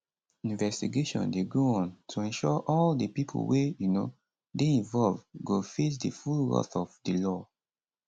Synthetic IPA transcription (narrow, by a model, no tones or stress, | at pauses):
ĩnvɛstiɡeʃɔ̰̃ndeɡoɔ̃ntʰuɛ̃nʃɔʔɔldipipʰo̰wejuno | deĩnvɔlvɡofes̬difulɹɔ̰θɔvdilɔ